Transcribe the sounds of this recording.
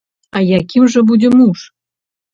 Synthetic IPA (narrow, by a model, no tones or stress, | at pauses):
ɑjakʲimʒə̆budʲɪmuʂ